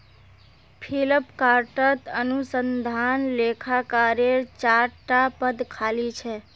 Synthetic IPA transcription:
pʰiləpkaɾʈət̪ənusənd̪ʱanlekʰakaɾeɾt͡ʃaɾʈapəd̪kʰalit͡ʃʰɛ

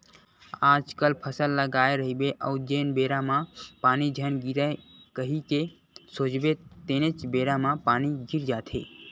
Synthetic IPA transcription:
aːd͡ʒkəlpʰəsəlːəɡaːeɾəɦibeʔəud͡ʒenbeːɾamãpaːnid͡ʒʱənɡiɾaekəɦike | soːd͡ʒbet̪enet͡ʃbeɾamãpaːniɡʱiɾd͡ʒaːt̪ʰḛ

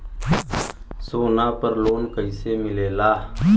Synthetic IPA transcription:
soːnaːpəɾloːnkəɪseːmɪleːlaː

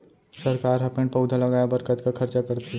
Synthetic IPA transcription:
sɐɾkaːɾɦɐpẽɳpɐʊd̪ʱalɐɡaːjabɐɾkət̪kakʰɐɾt͡ʃakɐɾt̪e

